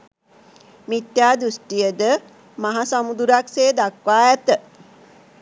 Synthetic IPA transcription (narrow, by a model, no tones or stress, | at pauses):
mit̪jaːd̪ɾusʈijəd̪ə | maɦasamud̪uɾakseːd̪akʋaːɛt̪ə